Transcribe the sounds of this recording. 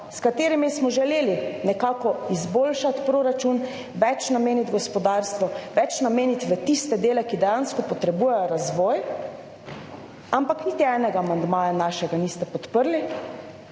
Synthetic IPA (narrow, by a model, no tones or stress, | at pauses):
skat̪eːɾimismɔʒɛleːlinɛkaːkɔizboːlʃat̪pɾoːɾat͡ʃun | ʋɛt͡ʃnameːnit̪ɡɔspɔd̪aɾst̪ʋɔʋɛt͡ʃnameːnit̪ʋət̪ist̪ɛd̪eːlɛkid̪ɛjanskɔpɔt̪ɾɛbuːjɛjɔɾazʋɔj | ampaknit̪iɛːnɛɡaːmand̪maːjanaʃɛɡaniːst̪ɛpɔt̪pəɾli